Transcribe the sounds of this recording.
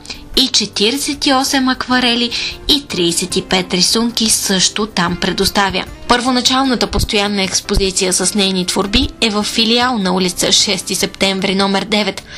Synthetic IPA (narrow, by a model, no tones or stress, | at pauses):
it͡ʃɛt̪iɾɛsɛt̪iɔsɛmɐkvɐɾɛliːt̪ɾiːsɛt̪ipɛt̪ɾisuŋkisɤʃt̪ʊt̪ampɾɛd̪ʊst̪avʲjə̰ | pəɾvonɐt͡ʃalˠnət̪əpost̪ojanːəɛkspozit̪sijəsɐsnɛjnit̪voɾbiɛvəfːilialˠnɐulit̪səʃɛst̪isɛpt̪ɛɱvɾinɔmɛɾd̪ɛvɛt̪